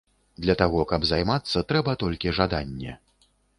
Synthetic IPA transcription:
d̪lʲɐt̪aɣɔkɐbzajmat̪sːɐt̪ɾɛbɐt̪ɔlʲkʲiʐad̪anʲːɛ̰

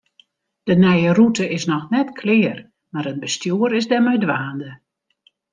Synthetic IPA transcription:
d̥ənɛjərutəʔɪsnɔxnɛtkʰlɪːər | maɾəd̚bəstjuːəɾɪzdɛmœɥdʋaːndə

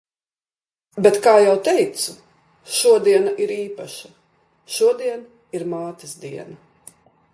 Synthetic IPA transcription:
bet̪kaːjawt̪ɛjt̪su | ʃuɔd̪iɛnaʔiɾiːpaʃɐ | ʃuɔd̪iɛn | iɾmaːt̪isd̪iɛnɐ

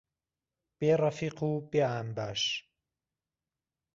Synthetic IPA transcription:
b̥eːrˤɑfiːquːbeːaːmbaːʃ

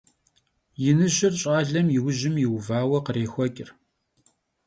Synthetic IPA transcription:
jɪnɨʒɪrɕʼaːɮɐmjɪwʊʑɪmjɪwvaːwɐqəreːxʷɔkʲʼɪr

